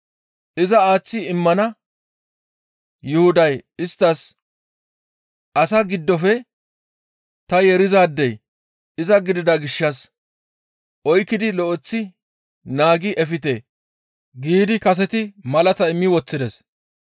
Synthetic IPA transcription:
ʔɪzɐaːt͡sːɪɪmːɐnɐ | jʊhʊd̪ɐjɪst̪ːɐs | ɐsɐɡɪd̪ːɔfɛ | t̪ɐjɛɾɪzaːd̪ːɛj | ɪzɐɡɪd̪ɪd̪ɐɡɪʃːɐs | ʔɔjkːɪd̪ɪlɔʔɔt͡sːɪ | naːɡɪʔɛfɪt̪eː | ɡiːd̪ɪkɐs̬ɛt̪ɪmɐlɐt̪ɐɪmːɪwɔt͡sːɪd̪ɛs

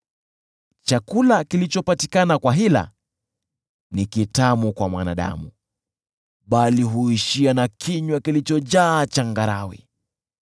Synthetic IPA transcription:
t͡ʃakulakilit͡ʃɔpatikanakwaɦila̰ | nikitamukwamwana̰ɗa̰mu | ɓaliɦuiʃianakʰiɲwakilit͡ʃɔʄaːt͡ʃaŋɡaɾawḭ

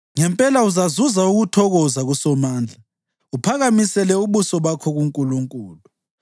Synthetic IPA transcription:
ŋɛmpʼɛlauzazuzauɣutʰɔɣɔzaɣusɔmaːnd͡ɮʱa | upʰaɣamisɛlɛuβusɔβakʰɔɣuŋkʼuluŋkʼuːlu

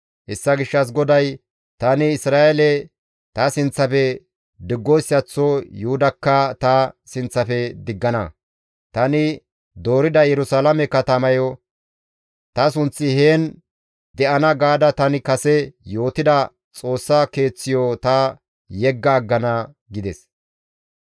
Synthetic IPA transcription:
hɛsːɐɡɪʃːɐs̬ɡɔd̪ɐj | t̪ɐnɪɪsɾaːʔɛlɛ | t̪ɐsɪnt͡sːɐfɛ | d̪ɪɡːɔjsːɪɐt͡sːɔjʊʊd̪ɐkːɐt̪ɐsɪnt͡sːɐfɛd̪ɪɡːɐnɐ | t̪ɐnɪ | d̪o̞ːɾɪd̪ɐjɛɾʊsalɐmɛkɐt̪ɐmɐjɔ | t̪ɐsʊnt͡sːɪheːn | d̪ɛʔɐnɐɡaːd̪ɐt̪ɐnɪkɐsɛjo̞ːt̪ɪd̪ɐ | t͡sʼo̞ːsːɐke̞ːt͡sːɪjɔt̪ɐ | jɛɡːɐːɡːɐnɐ | ɡɪd̪ɛs

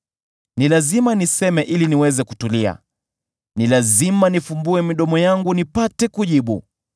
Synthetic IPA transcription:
nilazimanisɛmɛʔiliniwɛzɛku̥tulia̰ | nilazimanifumbuɛmiɗɔmɔjaŋɡunipatɛkuʄiɓu

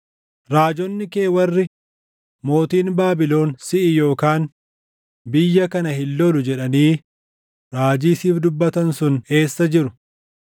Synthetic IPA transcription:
ɾaːd͡ʒɔnːɪke̞ːwɐrːɪ | mo̞ːt̪iːnbaːbɪlo̞ːnsɪʔɪjo̞ːkaːn | bɪjːɐkɐnɐhɪlːɔlʊd͡ʒɛᶑɐniː | ɾaːd͡ʒiːsiːfd̪ʊbːɐt̪ɐnsʊne̞ːsːɐd͡ʒɪɾʊ̥

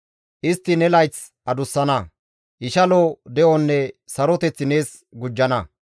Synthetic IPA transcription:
ʔɪst̪ːɪnɛlɐjt͡s | ʔɐd̪ʊsːɐnɐ | ʔɪʃɐloːd̪ɛʔɔnːɛsɐɾɔt̪ɛt͡sːɪne̞ːs | ɡʊd͡ʒːɐnɐ

